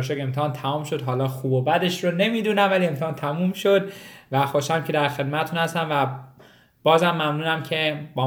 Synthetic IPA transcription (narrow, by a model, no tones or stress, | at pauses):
ʃoke̞mt̪ʰeːnt̪ʰæmɔːmʃo̞d̪ɦɒːlɒːxuːbobæd̪e̞ʃɾone̞miːd̪uːnæmvælie̞mt̪eːnt̪ʰæmuːmʃod̪væxoʃæmcʰed̪æɾxe̞d̪̚mæt̪et̪ʰuːnhæst̪ænvæ | b̥ɒːzæmːæmnuːnæmcʰe̞bɒː